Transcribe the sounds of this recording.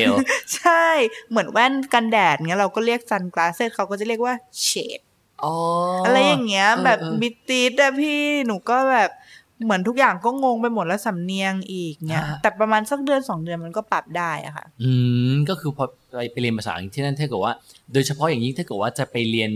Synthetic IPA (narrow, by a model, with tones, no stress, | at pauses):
t͡ɕʰa˥˩jmɯ˩˦ənwɛː˥˩nka˧ndɛː˨˩t̪̚ni˦˥ɐɾa˧wkɔː˥˩ɾi˥˩ək̚sa˧nklaː˧seː˥˩t̪̚kʰa˦˥wkɔ˥˩t͡ɕa˨˩ɾi˥˩ək̚waː˥˩t͡ɕʰeː˦t̪̚ | ʔɔː˨˧ʔa˧ɾa˧jːaː˨˩ŋːi˦˥ɐbɛː˨˩bi˦˥t̪i˦˥t̪̚la˦˧˩pʰiː˥˩nuː˨˩˦kɔː˥˩bɛː˨˩p̚ | mɯ˩˦ənt̪ʰu˦˥k̚jaː˨˩ŋkɔː˥˩ŋo˧ŋpa˧jmo˨˩t̪̚lɛ˦˥wsa˨˩˦mni˧əŋʔiː˨˩k̚ni˦˥ɐt̪ɛː˨˩pɾa˧maː˧nsa˨˩k̚dɯ˧ənsɔː˩˦ŋdɯ˧ənma˧nkɔː˥˩pa˨˩p̚daː˥˩jʔa̰˨˩xʰa̰˥˩ʔʔɯː˧˩kɔː˥˩kʰɯː˧pʰɔ˧ | a˧jpa˧jli˧ənpa˧saː˨˦˨t̪ʰiː˥˩nːa˥˩t̪ʰaː˥˩kɯ˨˩waː˥˩doː˧jt͡ɕʰa˧pʰɔ˦˥jaː˨˩ŋji˦˥˩t̪ʰaː˥˩kɯ˨˩waː˥˩t͡ɕa˨˩pa˧jli˧ən